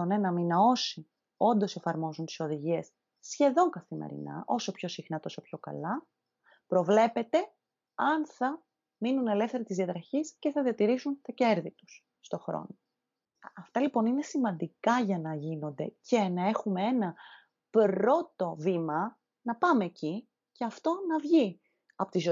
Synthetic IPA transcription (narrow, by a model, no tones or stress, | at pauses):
one̞nɐminɐo̞si | o̞nd̪o̞se̞fɐɾmo̞zunt̪i̥so̞ðiʝiesː | çe̞ðo̞ŋkɐθimḛɾḭnɐ̰ʔo̞so̞pço̞sixnɐt̪o̞sopço̞kɐ̰lɐ | pɾo̞vle̞pe̞t̪e̞ | ɐnθɐ | minune̞le̞fθeɾɐt̪izðiɐt̪ɾɐçisce̞θɐðiɐt̪iɾisunt̪ɐce̞ɾðit̪u̥sːt̪o̞xɾo̞̰no | ɐft̪ɐlipo̞nine̞simɐnd̪ikɐʝɐnɐʝino̞nd̪e̞ce̞nɐe̞xumee̞nɐ | pɾo̞t̪o̞vimɐ | nɐpɐme̞ːci | ce̞ɐft̪o̞nɐvʝi | ɐpo̞t̪izo